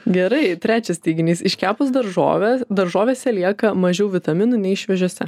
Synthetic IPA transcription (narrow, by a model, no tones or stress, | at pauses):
ɡʲɛɾɐɪt̪ʲɾʲæːt͡ʃʲɛst̪ʲɐɪɡʲɪnʲiːsɪʃkʲæːpʊsd̪ɐɾʒo̰ːd̪ɐɾʒoːʋʲeːsʲɛlʲiɛkɐmɐʒʲɛʊʋʲɪt̪ɐmʲɪnunʲɛɪʃʲʋʲɛʒʲuɔsʲɛ